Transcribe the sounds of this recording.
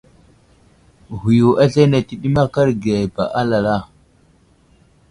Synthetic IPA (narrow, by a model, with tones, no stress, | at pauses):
hu˨ju˨ʔa˦ɬa˦na˨ti˨ɗi˦ma˦ka˦ɾɡe˨pa˨ʔa˦la˨la˦˨